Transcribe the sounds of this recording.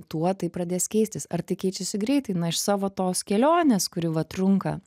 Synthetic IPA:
t̪uɔt̪ɐɪpɾɐd̪ʲeːskʲɛɪsʲt̪ʲɪsɐrt̪ɐɪkʲɛɪt͡ʃʲɛsʲɪɡɾʲɛɪt̪ɐɪnɐɪʃsɑːʋoːt̪oːskʲɛlʲoːnʲeːskʊɾʲɪʋɐt̪ɾʊŋkɐ̰

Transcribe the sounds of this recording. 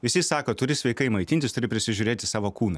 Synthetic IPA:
ʋʲɪsʲɪsɑːkoːt̪ʊɾʲɪsʲʋʲɛɪkɐɪmɐɪt̪ʲɪnʲt̪ʲɪst̪ʊɾʲɪpʲɾʲɪsʲɪʒʲʊːɾʲeːt̪ʲɪsɑːʋoːkuːnɐ

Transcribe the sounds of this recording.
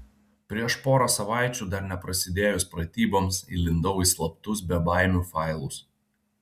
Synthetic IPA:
pʲɾʲiɛʃpoːɾosɐʋɑˑɪt͡ʃʲuːd̪ɐɾnʲɛpɾɐsʲɪd̪ʲeːjʊspɾɐt̪ʲiːboːmsḭlʲɪnd̪ɔʊislˠɐpt̪ʊsbʲɛbɑɪmʲuːfɑˑɪlˠʊs

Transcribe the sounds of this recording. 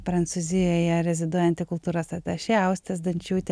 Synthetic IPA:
pɾɐnt̪suːzʲɪjoːjɛɾʲɛzʲɪd̪uɔjɛnt̪ʲɪkʊlˠt̪uːɾɐsɐt̪ʲɛʃʲɛɐʊsʲt̪ʲɛsd̪ɐnʲt͡ʃʲuːt̪ʲ

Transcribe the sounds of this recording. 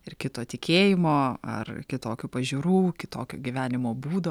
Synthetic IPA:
ɪrkʲɪt̪oːt̪ʲɪkʲeːjɪmoːɐ̰rkʲɪt̪oːkʲʊpɐʒʲʊːɾuːkʲɪt̪oːkʲo̰ːɡʲiʋʲæːnʲɪmoːbuːd̪o

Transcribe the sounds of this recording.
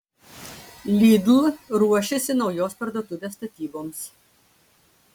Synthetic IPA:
lʲiːd̪lˠɾuɔʃʲɛsʲɪnɒʊjoːspɐɾd̪uɔt̪ʲʊʋʲeːst̪ɐt̪ʲiːboːms

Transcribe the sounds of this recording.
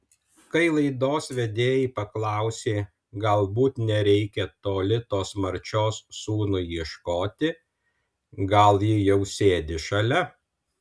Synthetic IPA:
kɐɪlˠɐɪd̪oːsʋʲɛd̪ʲeːjɛpɐklˠɐˑʊsʲeː | ɡɐlˠbuːt̪nʲɛɾʲɛɪkʲɛt̪oːlʲɪt̪oːsmɐɾʲt͡ʃʲoːsːuːnʊiɛʃkoːt̪ʲɪ | ɡɐlˠjɪjɛʊsʲeːd̪ʲɪʃɐlʲɛ

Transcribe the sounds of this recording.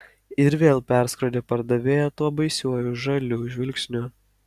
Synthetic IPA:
ɪɾʋʲeːlˠpʲæˑɾskɾoːd̪ʲeːpɐɾd̪ɐʋʲeːjɛt̪uɔbɐɪsʲuɔjʊʒɐlʲuːʒʲʋʲɪlʲksʲnʲʊ

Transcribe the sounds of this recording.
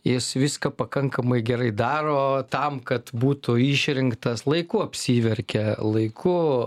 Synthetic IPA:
jɪsʋʲɪskɐpɐkɐŋkɐmɐɪɡʲɛɾɐɪd̪ɑːɾoːt̪ɐmkɐt̪buːt̪ʊiːʃʲɾʲɪŋkt̪ɐslˠɐɪkʊɐpʲsʲiːʋʲɛɾʲkʲɛlˠɐɪkʰʊ

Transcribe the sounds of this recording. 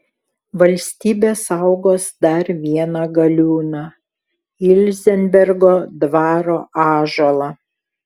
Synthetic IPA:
ʋɐlʲsʲt̪ʲiːbʲeːsɐʊɡoːsd̪ɐɾʋʲiɛnɐɡɐlʲuːnɑ | ɪlʲzʲɛnʲbʲɛɾɡoːd̪ʋɑːɾoːʔɑːʒolˠɑː

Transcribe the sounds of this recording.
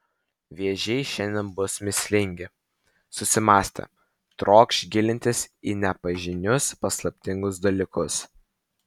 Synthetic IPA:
ʋʲiɛʒʲɛɪʃʲɛnʲd̪ʲɛnbʊsmʲɪsʲlʲɪŋʲɡʲɪ | sʊsʲɪmɑːsʲt̪ʲɛ̰ | t̪ɾoːkʃɡʲɪlʲɪnʲt̪ʲɪsiːnʲɛpɐʒʲɪnʲʊspɐslˠɐpʲt̪ʲɪŋɡʊs̬d̪ɐlʲiːkʊs

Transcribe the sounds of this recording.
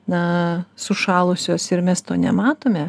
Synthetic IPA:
nɐsʊʃɑːlˠʊsʲoːsɪɾmʲɛst̪oːnʲɛmɑːt̪oːmʲɛ

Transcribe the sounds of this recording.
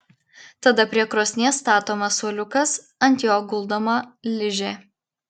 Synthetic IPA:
t̪ɐd̪ɐpʲɾʲiɛkɾoːsʲnʲeɛst̪ɑːt̪oːmɐsuɔlʲʊkɐs | ɐnʲt̪ʲjoːɡʊlˠd̪oːmɐlʲɪʒʲeː

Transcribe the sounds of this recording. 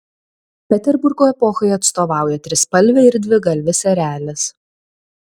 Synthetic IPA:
pʲɛt̪ʲɛɾbʊɾɡoːɛpɔxɐɪɐt̪st̪oːʋɑˑʊjɛt̪ʲɾʲɪspɐlʲʋʲɛɪɾd̪ʲʋʲɪɡɐlʲʋʲɪsʲɛɾʲæːlʲɪs

